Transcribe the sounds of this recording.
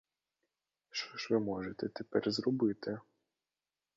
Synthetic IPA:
ʃt͡ʃɔʒʋɪmɔʒet̪ɛt̪epɛrzɾɔbɪt̪ɪ

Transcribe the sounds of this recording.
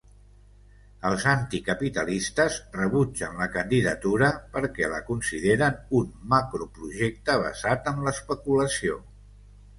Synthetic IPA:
əlˠzant̪ikəpit̪əlist̪əzrəβud͡ʒənləkənd̪iðət̪uɾəpəɾkɛlə̰kunsiðeɾənunmakɾupɾuʒek̚t̪əβ̞ə̰zat̪əmləspəkuləsio

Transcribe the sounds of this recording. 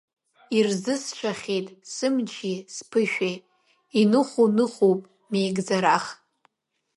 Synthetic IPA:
irzɨsʃʷʰaχʲejtʼsɨmt͡ʃʰispʰɨʃᶣe | inɨχʷunɨχʷopʼ | mejɡd͡zaɾaχ

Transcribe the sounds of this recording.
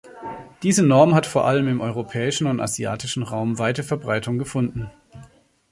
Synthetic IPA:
d̥iːzənɔɐmɦatfoːɐʔaləmɪmʔɔʏʁopʰɛːɪʃn̩ʊnta̰zja̰ːtɪʃn̩ʁaʊmvaɪtəfɛɐbʁaɪtʊŋɡəfʊndn̩

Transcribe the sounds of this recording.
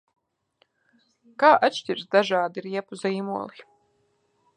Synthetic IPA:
kaːʔat̪ʃt̪ʲiɾsd̪aʒaːd̪iɾiɛpuziːmuɔlˠi

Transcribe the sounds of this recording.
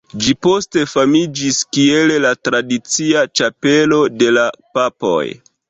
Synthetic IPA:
d͡ʒipo̞ste̞famid͡ʒiskie̞llatɾadit͡siat͡ʃape̞lo̞de̞lapapo̞̰j

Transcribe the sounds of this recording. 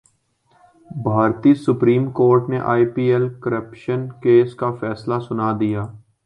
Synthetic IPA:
bʱaːɾt̪isʊpɾiːmkoːɾʈneʔa̰ːipiːelkəɾəpʃənkeːskafɛːslasʊnad̪ijaː

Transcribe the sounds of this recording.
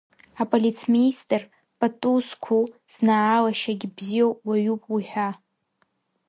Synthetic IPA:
apʼolʲit͡sʰministʼr | pʼatʼuskʷʰuz̥naʕːlaʃaɡʲɪbzijowwaɥupʼwiħᶣa

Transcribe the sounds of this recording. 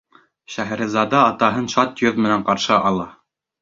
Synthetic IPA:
ʃæɦæ̆ɾɘ̆zɑd̪ɑːt̪ɑɦɤnʃɑt̪joðmɘ̆næɴqɑɾʃɤʔɑlˠɑ

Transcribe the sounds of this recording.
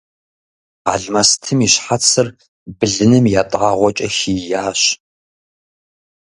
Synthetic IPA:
a̰ːɮmastʰɨmiɕħat͡sʰɨr | bɨɮɨnɨmjaːtʼaːʁʷɔt͡ʃʼɐxijaːɕ

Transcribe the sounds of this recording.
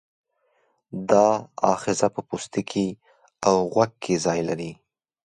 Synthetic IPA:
d̪ɑɑ̰xɪzapəpust̪ikʰi | awɣwaɡ̚kʰːezɑjlaɾi

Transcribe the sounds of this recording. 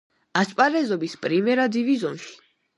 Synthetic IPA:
ast͡ʃʼpʼaɾɛzɔbispʼɾimɛɾad̪ivizɔmʃi̥

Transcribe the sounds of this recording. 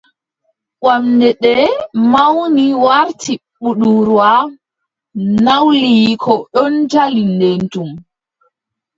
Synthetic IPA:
ʔwamdɛɗɛmawniwaɾtʰiɓuɗuɾwa | nawlikʰɔɗɔnd͡ʒalindentum

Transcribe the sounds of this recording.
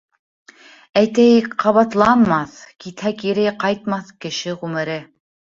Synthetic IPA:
æjt̪æjkqɑβɑt̪lˠɑnmɑθkit̪hækiɾɘjqɑjt̪̚mɑθkɘ̆ʃɘʁʉmɘ̆ɾɘ

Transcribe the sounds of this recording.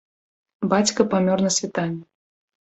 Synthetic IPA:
bat͡sʲkɐpamʲɔrnɐsʲvʲit̪anʲːɛ

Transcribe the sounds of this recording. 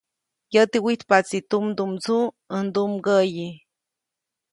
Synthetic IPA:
jət̪iwit̪pat͡sit̪umd̪umt͡su | ənd̪umɡəji

